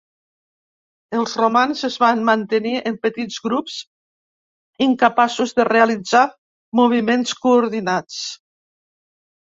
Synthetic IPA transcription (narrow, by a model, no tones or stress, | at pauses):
əlˠzrumanzəzβanmant̪əniʔəmpət̪izɣɾups | iŋkəpasuzðərealid͡za | muβ̞imenskuːɾðinat͡s